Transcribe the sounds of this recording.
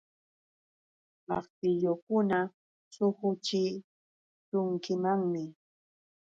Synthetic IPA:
mɑ̰χt̪ɪʎokʊna | sʊhʊt͡ʃɪ | tʊŋkɪmaŋmɪ

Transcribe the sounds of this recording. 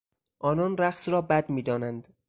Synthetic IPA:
ʔɒːnɒːnɾæχsɾɒːbæd̪miːd̪ɒːnænd̪

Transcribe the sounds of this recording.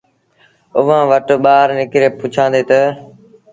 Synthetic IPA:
ʊʋãːʋəʈɓaːɾnɪkɾeːpʊt͡ʃʰãːnd̪eːt̪ə

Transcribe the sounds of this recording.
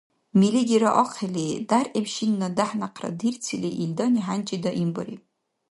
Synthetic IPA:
miliɡʲiɾaʔɔqʰeledarʔemʃinːadaħnaqʰra̰dirt͡sʰileʔildaniħant͡ʃʼidaʔimbaɾḭpʼ

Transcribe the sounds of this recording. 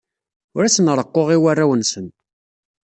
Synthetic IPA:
ʊɾæsənɾˤəqːoʁiwarːawənsən

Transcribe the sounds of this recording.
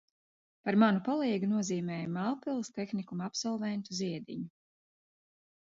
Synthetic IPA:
paɾmanupalˠiːɡunuɔziːmɛːjmalˠpilˠst̪ɛxnikumapsɔlˠvɛnt̪uziɛd̪ḭɲu

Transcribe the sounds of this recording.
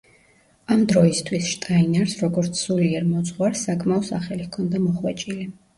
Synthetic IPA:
amd̪ɾɔist̪ʰwisʃt̪ʼainaɾsɾɔɡɔɾt̪sʰsuliɛɾmɔt̪sʼχwaɾsakʼmaɔsaχɛlikʰɔnd̪amɔχwɛt͡ʃʼili

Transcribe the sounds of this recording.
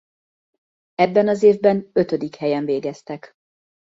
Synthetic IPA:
ɛbːɛnɒzeːvbɛnø̞t̪ød̪ikhɛjɛɱveːɡɛst̪ɛk

